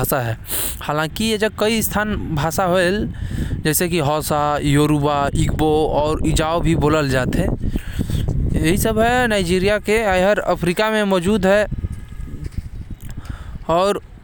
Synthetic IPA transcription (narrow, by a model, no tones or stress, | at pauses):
aːsaɦɛː | haːlãːkijed͡ʒəb̚kəist̪ʰaːnbʱaːsaɦoeld͡ʒɛːsekiɦɔːsajoːɾubaikboɔːɾɪd͡ʒaobʱiboːləld͡ʒaːt̪ɦẽ | jəɦisəbɦɛnaːɪd͡ʒiːɾijakeajɦəɾə̰pʰɾikamẽmɔːd͡ʒuːd̪ɦɛ | ɔːɾ